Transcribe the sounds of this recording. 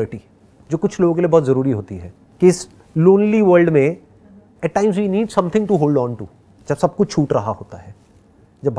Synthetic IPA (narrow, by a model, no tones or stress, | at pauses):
ʈi | d͡ʒoːkʊt͡ʃʰloːɡõkelijebɔɦːt̪zɐɾuːɾiɦoːt̪iɦɛː | kiɪs | loːnliʋəːɾlɖmẽ | ɛʈ̚ːãːɪmzʋiːniːɖsɐ̃mt̪ʰɪ̃ŋʈuɦoːlɖɔ̃ːnʈṵ | d͡ʒɐbsɐb̚kʊt͡ʃʰuːʈɾɐɦaɦoːt̪aɦɛː | d͡ʒɐbʱ